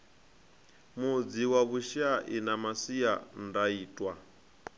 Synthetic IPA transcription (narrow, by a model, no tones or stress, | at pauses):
mud͡ziwaβuʃaʔinamasia̰ndaiːtʼwa